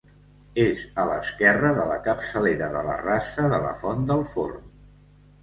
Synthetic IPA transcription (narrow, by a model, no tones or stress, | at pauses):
ezələskɛrəðələkəpsəleɾəðələ̰rasəðələ̰fɔnd̪əlˠfo̰rm